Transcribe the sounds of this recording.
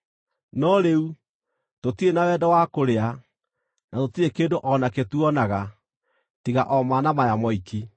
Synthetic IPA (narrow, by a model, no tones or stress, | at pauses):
nɔɾeu | totiɾenawɛdɔwakoɾea | natotiɾekeːndoʔɔnaketuɔnaɣa | tiɣa̰ʔɔmanamajamɔiki